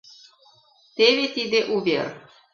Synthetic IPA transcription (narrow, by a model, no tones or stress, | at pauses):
t̪eβet̪id̪eʔuβḛr